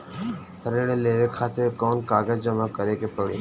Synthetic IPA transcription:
əɾeːɽeleːʋekʰaːt̪ɪɾkɔːnkaːɡəd͡ʒd͡ʒəmakəɾekepəɽeː

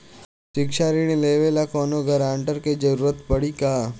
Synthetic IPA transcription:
ɕikʃaɾiñileʋelakɔnoɡʱəɾaɳʈəɾked͡ʑəɾuːɾət̪pəɽika

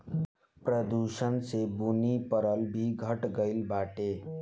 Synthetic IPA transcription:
pɾəd̪uʃənsebunipəɾəlbʱiɡʱəʈɡəɪlbaʈe

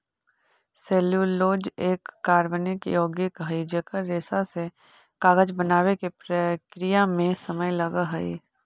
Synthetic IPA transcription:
seːljuloːd͡ʒeːkːaːɾʋənɪkjoːɡjɪkɦəid͡ʒəkəɾːeːsase | kaːɡəd͡ʒbənaːwekepɾəkɾɪjamẽsəməjlɐɡaɦɐḭ

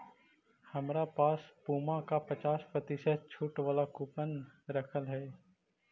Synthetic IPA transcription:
hɐmɾapaːspuːmãkapɐt͡ʃaːspɾɐt̪iset͡ʃʰʊːʈʋaːlakʊpənɾəkʰəlɦɛː

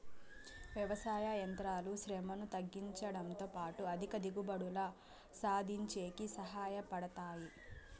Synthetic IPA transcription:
ʋjɐʋɐsaːjajɐnt̪ɾaːluʃɾɛmɐnut̪ɐɡːiɲt͡ʃɐɽɐnt̪oːpaːʈuɐd̪ʱikɐd̪iɡubɐɽulɐ | saːd̪ʱiɲt͡ʃe̞ːkisɐɦaːjɐpɐɽɐt̪aːji

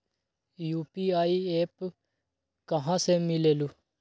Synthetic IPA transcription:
juːpiːaːiːeːp | kəɦãːsemɪleːluː

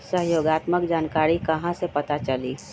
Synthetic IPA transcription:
səɦjoːɡaːt̪məkd͡ʒaːnkaːɾikɐɦãsepɐt̪at͡ʃɐliː

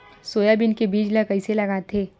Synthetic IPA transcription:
soːjabɪnkebiːd͡ʒləkɐiselɐɡaːt̪ʰeː

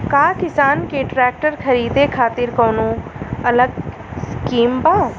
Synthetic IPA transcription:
kaːkɪsaːnkeʈɾɛːk̚ʈəɾkʰəɾiːd̪ekʰaːt̪ɪɾkoːnõːɐləɡ | skiːmbãː

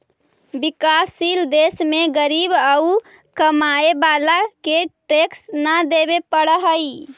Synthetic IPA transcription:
bikasild̪esmeɡəɾibəu | kəmaebalakeʈeksnəd̪ebepəɽəɦəi

